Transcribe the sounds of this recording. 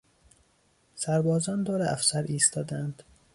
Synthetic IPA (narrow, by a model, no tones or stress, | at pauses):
sæɾbɒːzɒːnd̪oːɾeʔæfsæɾiːst̪ʰɒːd̪æænd̪̥